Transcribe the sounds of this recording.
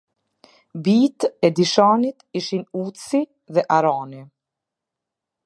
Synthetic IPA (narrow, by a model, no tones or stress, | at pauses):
bit̪ɛd̪iʃanit̪iʃinut̪si | ðɛʔaɾani